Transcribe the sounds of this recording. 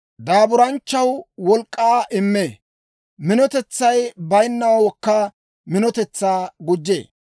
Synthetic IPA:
d̪aːbʊɾɐnt͡ʃːɐwwɔlkʼːaːʔɪmːeː | mɪnɔt̪ɛt͡sːɐjbɐjnːɐwɐwɔkːɐ | mɪnɔt̪ɛt͡sːaːɡʊd͡ʒːḛː

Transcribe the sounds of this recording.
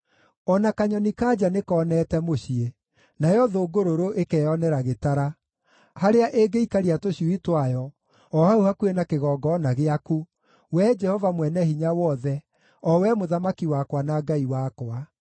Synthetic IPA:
ɔnakaɲɔnikad͡ʒanekɔːnɛtɛmoɕie | najɔðoːɡoɾoɾoʔekɛjɔnɛɾaɣetaɾa | haɾeaʔeɡeikaɾiatoɕiuitwajɔ | ɔhauhakuenakeɣɔːɡɔnaɣeaku | wɛd͡ʒɛhɔvamwɛnɛhiɲawɔðɛ | ɔwɛmoðamakiwakwanaɡaiwakwa

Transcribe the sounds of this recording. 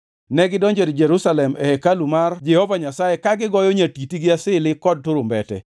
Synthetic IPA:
nɛɡɪdɔɲd͡ʒedd͡ʒɛɾusalɛmɛ̰ɛkalumard͡ʒɛhɔvaɲasajekaɡɪɡɔjoɲatitiɡɪasɪlɪkɔd̚toɾombɛtɛ̰

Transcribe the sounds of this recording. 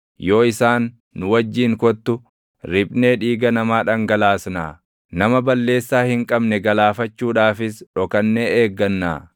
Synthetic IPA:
jo̞ːɪsaːnː | ʊwɐd͡ʒːiːŋkɔt̪ːʊ | ɾɪbne̞ːᶑiːɡɐnɐmaːᶑɐŋɡɐlaːsna̰ː | nɐmɐbɐlːe̞ːsːaːhɪŋkʼɐbnɛɡɐlaːfɐt͡ʃːuːᶑaːfɪsᶑɔkɐnːeeːɡːɐnːa̰ː

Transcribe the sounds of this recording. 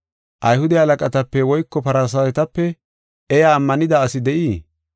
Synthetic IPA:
ʔɐjhʊd̪ɛɐlɐkʼɐt̪ɐpːɛwɔjkːɔpɐɾasɐjɛt̪ɐpːɛ | ɛjaːmːɐnɪd̪aɐsɪd̪ɛʔiː

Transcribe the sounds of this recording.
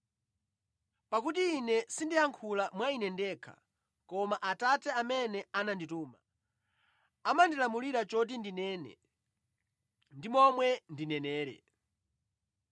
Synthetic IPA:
pakutiːnɛsindijaŋkʰulamwainɛndɛːkʰa̰ | kɔmaʔatatɛamɛnɛanandituːma | amandilamuliɾat͡ʃɔt̬indinɛːnɛ̰ | ndimɔmwɛndinɛnɛːɾɛ̰

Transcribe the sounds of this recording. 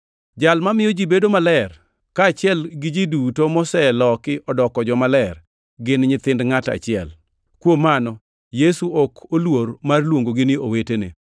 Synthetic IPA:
d͡ʒalmamɪjɔd͡ʒibedomalɛr | kaːt͡ʃɪɛlɡɪd͡ʒidutomɔsɛlɔkɪʔɔdɔkɔd͡ʒɔmalɛr | ɡɪnɲɪt̪ɪndŋata̰t͡ʃɪɛ̰l | kwomanɔ | jesuokʰolwoɾmarlwoŋɡoɡɪnɪowetenḛ

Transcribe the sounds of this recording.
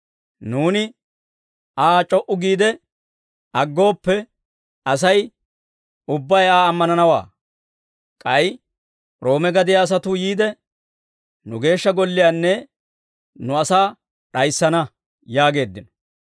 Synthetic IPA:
nuːnɪ | aːt͡ʃʼɔʔʊɡiːd̪ɛ | ɐɡːo̞ːpːɛ | ɐs̬ɐj | ʊbːɐjaːɐmːɐnɐnɐwa̰ː | kʼɐj | ɾo̞ːmɛɡɐd̪ɪjaːs̬ɐt̪ʊjiːd̪ɛ | nʊɡe̞ːʃːɐɡɔlːɪjaːnːɛ | nʊɐsaː | ɗɐjsːɐnɐ | jaːɡe̞ːd̪ːɪnɔ

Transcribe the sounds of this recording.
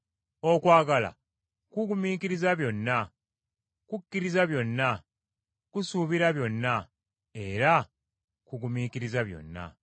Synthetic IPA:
okwaːɡala̰ | kuɡumiːkiɾizaβjo̞nːa | kukːiɾizaβjo̞nːa | kusuβiɾaβjo̞nːa | e̞ɾa | kuɡumiːkiɾizaβjo̞̰nːa̰

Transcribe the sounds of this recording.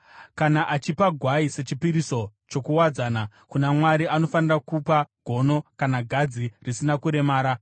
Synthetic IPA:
kanaʔat͡ʃipaɡʱwaise̞t͡ʃipiɾisot͡ʃo̞kuwad͡zaːna | kunamwaɾiano̞fanirakupaɡʱo̞no̞kanaɡʱad͡zirisinakuɾe̞maːɾa

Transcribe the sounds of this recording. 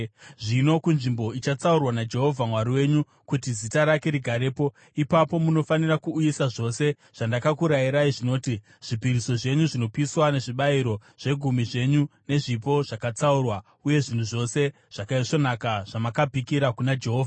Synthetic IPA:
ʐino̞kunʐimbo̞it͡ʃat͡saurwanad͡ʒe̞ɦo̞vʱamwaɾiwe̞ɲu | kutizitaɾake̞ɾiɡʱaɾe̞ːpo̞ | ipapo̞muno̞fanirakuːjisaʐo̞se̞ | ʐ̥andakakuɾajiɾaiʐino̞ːti | ʐ̥ipiɾiso̞ʐe̞ɲuʐino̞piswane̞ʐiɓaiɾo̞ʐ̥e̞ɡʱumiʐe̞ɲune̞ʐipo̞ʐ̥akat͡saurwa | uje̞ʐin̤uʐo̞se̞ | ʐ̥akaiʂo̞nakaʐ̥amakabʱikiɾakunad͡ʒe̞ɦo̞ːvʱa

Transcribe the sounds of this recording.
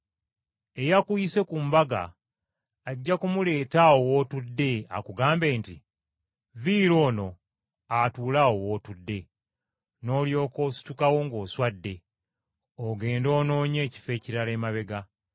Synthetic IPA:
e̞jakujise̞kuːmbaɡa̰ː | ɟːakumule̞ːtaowo̞ːtudːe̞a̰kuɡaːmbe̞ːntḭ | viːɾo̞ːno̞ | atuːlaowo̞ːtudːe̞ | no̞ːljo̞ːkosi̥tukawo̞ŋɡo̞ːswadːe̞ | oɡe̞ːndo̞ːno̞ːɲe̞ːci̥fe̞ːciɾale̞ːmaβe̞ɡa

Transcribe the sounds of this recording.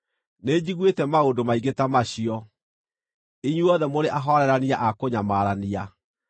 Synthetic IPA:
ned͡ʑiɣwetɛmaodomaiɣetamaɕiɔ | iɲuɔðɛmoɾeʔaɦɔɾɛɾaniaʔakoɲamaɾania

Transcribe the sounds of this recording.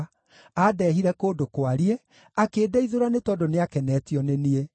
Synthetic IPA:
adɛɦiɾɛkoːdokwaɾie | akeːdɛiðoɾanetɔdoneakɛnɛtiɔnenie

